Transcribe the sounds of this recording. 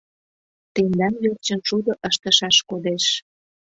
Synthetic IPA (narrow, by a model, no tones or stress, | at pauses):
t̪end̪ɑnβert͡ɕə̆nʃud̪oʔəʃt̪ə̆ʃɑʃkod̪eʃ